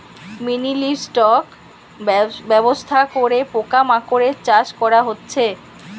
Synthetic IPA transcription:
miniliɾsʈɔk | bɛbost̪ʰakoɾepokamakoɾet͡ɕaʃkɔɾaɦotːɕʰe

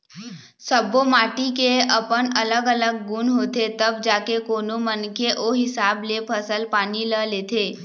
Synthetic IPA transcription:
səbomaːʈikeəpənələɡələɡːʊnɦoːt̪et̪əbd͡ʒaːkekoːnomənkeʔoːɦɪsaːblepʰəsəlpaːniləleːt̪eː

